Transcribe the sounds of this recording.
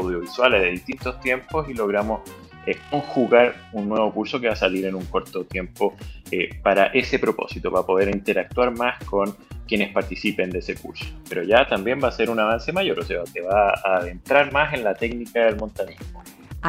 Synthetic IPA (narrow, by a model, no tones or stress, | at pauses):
awðjo̞βiswalezðeðiht̪int̪o̞st̪je̞mpo̞silo̞ɣ̞ɾamo̞s | eko̞ŋxuɣaɾunːwe̞βo̞kuɾso̞keβasaliɾenuŋko̞ɾt̪ot̪je̞mpoepaɾaʔe̞se̞pɾo̞po̞̰sit̪o̞βapo̞ð̞e̞ɾint̪eɾak̚t̪waɾmasko̞nkje̞nespaɾt̪isipe̞nd̪ese̞kṵɾso̥peɾoʝat̪ambjembase̞ɾunaβanse̞maʝo̞ɾose̞ak̪eβaːðe̞nt̪ɾaɾmase̞nlat̪e̞knikaðelmo̞nt̪anizmo